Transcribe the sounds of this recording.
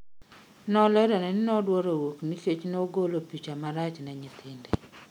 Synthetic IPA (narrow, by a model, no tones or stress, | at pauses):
nɔlɛɾɔnɛnɪnɔdwɔɾowokniset͡ʃnoɡolopit͡ʃamaɾat͡ʃnɛɲɪt̪ʰɪnde